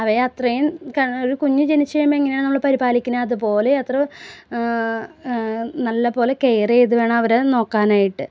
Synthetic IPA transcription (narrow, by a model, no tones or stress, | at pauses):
ɐʋɐɐt̪rɐjumkɐoɾukuɲːud͡ʑenit͡ɕːɐjɐmbɐeŋːɐnejaːɳnɐmːɐɭɨpɐɾibaːlikʲːinɐːðupo̞ːle̞ɐt̪rɐ | nɐlːɐpo̞ːle̞ke̞jrejðuʋe̞ːɳɐmɐʋɐɾeno̞ːkːaːnaːjiʈːɨ